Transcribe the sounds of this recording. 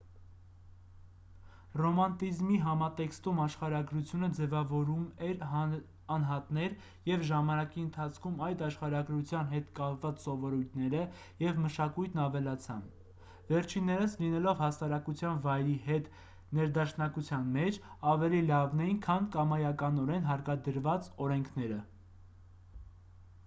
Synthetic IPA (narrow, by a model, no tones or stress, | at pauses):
rɔmɑnt̪izmiɦɑmɑt̪ɛkst̪umɑʃχɑɾɑɡɾut͡sʰjunəd͡zɛvɑvɔɾumɛɾ | ɑnɦɑt̪nɛɾ | jɛvʒɑmɑnɑkiənt̪ʰɑt͡sʰkʰumɑjd̪ɑʃχɑɾɑɡɾut͡sʰjɑnɦɛt̪kɑpvɑt͡ssɔvɔɾujt̪ʰnɛɾə | jɛvməʃɑkujt̪ʰnɑvɛlɑt͡sʰɑm | vɛɾt͡ʃʰinːɛɾəslinɛlɔvhɑsɑɾɑkut͡sʰjɑnvɑjɾihɛt̪ | nɛɾd̪ɑʃnɑkut͡sʰjɑnmɛt͡ʃʰɑvɛlilɑvnɛjinkʰɑnkɑmɑjɑkɑnɔɾɛnɦɑɾkɑd̪əɾvɑt͡sɔɾɛŋkʰnɛɾə